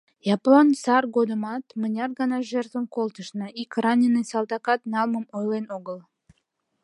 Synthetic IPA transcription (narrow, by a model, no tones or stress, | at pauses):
jɑplˠonsɑrɡod̪əmɑt̪mənʲɑrɣɑnɑʒert̪vənkolˠt̪əʃnəikrɑnʲɪnːɨjsɑlˠd̪ɑkɑt̪nɑlˠməmojlʲˠenoɣəlˠ